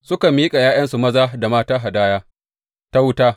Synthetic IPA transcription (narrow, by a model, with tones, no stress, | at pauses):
sʊ˦ka˨miː˦kʼa˨jaː˦j̰ɐ˦nsu˨mɐ˦zaː˦da˨maː˦taː˦ɦa˨daː˦jaː˦ | ta˦wʊ˦taː˦